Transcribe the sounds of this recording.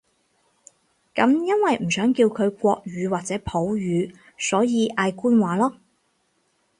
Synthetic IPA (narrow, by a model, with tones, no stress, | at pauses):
kɐ˨˥mjɐ˥nwɐ˨jm̩˨˩sœː˨˥ŋkiː˧wkʰɵ˨˧ɥkʷɔː˧k̚ɥyː˨˧waː˨k̚t͡sɛː˨˥pʰo˨˥wɥyː˨˧ | sɔː˨˥jiː˨˧ʔaː˧jkuː˥nwaː˨lɔː˥